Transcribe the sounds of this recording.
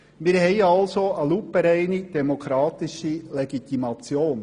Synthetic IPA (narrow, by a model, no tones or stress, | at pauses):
mɪːɾhɛɪɑlsoəlupːəɾɛɪnid̥ɛmokʰɾɑːt̪ɪʃileɡit̪imɑt͡sjoːn